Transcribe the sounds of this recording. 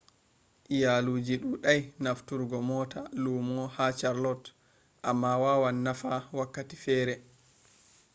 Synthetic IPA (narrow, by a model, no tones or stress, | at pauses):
ʔijaluːd͡ʒiɗuɗajnaftuɾɡɔmɔtalumɔhat͡ʃaɾlɔt | ʔamːawawanːafawakːatifɛːɾɛ